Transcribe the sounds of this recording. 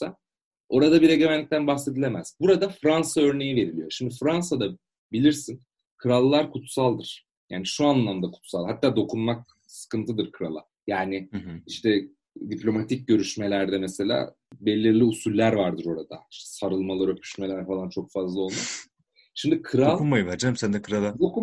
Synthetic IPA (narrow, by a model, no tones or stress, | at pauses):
sa | o̞ɾad̪abiɾeɟemænːʲic̚t̪ʰænbaxse̞d̪ilʲemæz̥buɾad̪afɾansaø̞ɾne̞jive̞ɾilʲijo̞ʃimd̪ifɾansad̪a | bilʲiɾsin | kʰɯɾalˠːaɾkʰut̪salˠd̪ɯɾ̥ | jaːniʃuanlˠamd̪akʰu̥t̪salˠɦat̪ːaːd̪o̞kʰunmak̚ | sɯ̥kɯnt̪ʰɯd̪ɯɾkʰɯɾa̰lˠa̰ | jaːnɪiʃt̪ɛ | d̪iplʲo̞mat̪ʰic̚ɟø̞ɾyʃme̞lʲæɾd̪ɛmɛse̞lʲa̰ː | be̞lʲːiɾlʲiusulʲːæɾvaɾd̪ɯɾo̞ɾad̪aiʃt̪ɛsaɾɯlˠmalˠaɾø̞pʰy̥ʃme̞lʲæɾfalˠant͡ʃʰo̞kfazlˠao̞lˠma | ʃimd̪ikʰɯɾalˠkumajɯvæɾd͡ʒɛmsænd̪ɛkʰɯɾalˠad̪oku